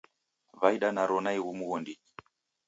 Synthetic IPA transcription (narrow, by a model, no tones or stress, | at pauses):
vaiɗanaɾɔnaiɣumuɣɔndi